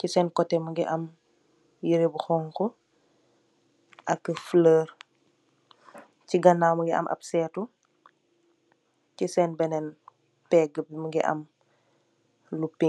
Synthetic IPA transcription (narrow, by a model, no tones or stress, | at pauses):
cisɛːnkɔtːɛmɐɡiʔɐm | jiɾebuxɔːŋkɔ | ʔɐkːəfləːr | ciɡɐnːaːmɐɡiʔɐ̰mʔɐ̰psɛːtu | cisɛːnbɛnɛn | pɛɡəbiməɡiʔɐ̰m | lupi